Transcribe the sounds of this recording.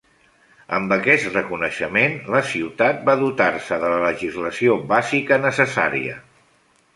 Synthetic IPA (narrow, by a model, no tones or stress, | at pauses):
ə̰mbəkɛst̪rəkunəʃəmenləsiwt̪at̪̚baðut̪arsəðələləʒizləsiobazikənəsəsa̰ɾḭə̰